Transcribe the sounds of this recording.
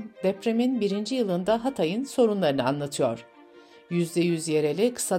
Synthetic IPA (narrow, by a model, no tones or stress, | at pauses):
d̪ɛpɾeminbiɾind͡ʒijɯlˠɯnd̪aɦat̪ʰajɯnso̞ɾunlˠaɾɯnɯanlˠat̪ʰɯjo̞̰ɾ̥ | jyzd̪ɛjyzje̞ɾe̞lʲikʰɯ̥sa